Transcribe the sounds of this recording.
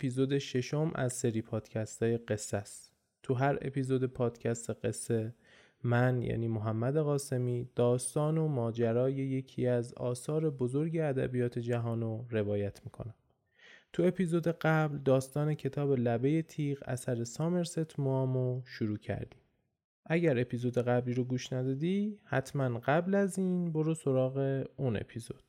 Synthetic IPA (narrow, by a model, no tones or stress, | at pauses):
epiːzoːd̪eʃe̞ʃo̞mʔæzse̞ɾiːpʰɒːd̪̥cʰæst̪ʰɒːje̞ɢe̞sːæs | t̪ʰuɦæɾe̞̰pʰiːzod̪e̞pʰɒːd̪̥cʰæst̪ʰe̞ɢesːe̞ | mænjæ̰ːniːmoɦæmːæd̪e̞ɣɒːse̞miːd̪̥ɒːst̪ɒːnomɒːd͡ʒæɾɒːje̞je̞cʰḭæzɒ̰ːsɒːɾe̞bozo̞ɾɟeæd̪æ̰bijɒːt̪ʰe̞d͡ʒæɦɒːnoɾe̞vɒːjæt̪ʰmiːkʰo̞̰næm | t̪ʰue̞pʰiːzo̞d̪eɢæbld̪ɒːst̪ɒːne̞cʰe̞t̪ʰɒːbe̞læbe̞je̞t̪ʰiːɣæ̰sæɾe̞sɒːme̞ɾset̪ʰmomoʃuɾuːcʰæ̰ɾd̪iːm | ʔæɟæɾe̞pʰiːzo̞d̪e̞ɣæbliːɾoɡuːʃnæd̪ɒːd̪ihæt̪ʰmænɢæblæziːnbo̞ɾoso̞ɾɒːɣe̞une̞̰pʰizo̞̰d̪̥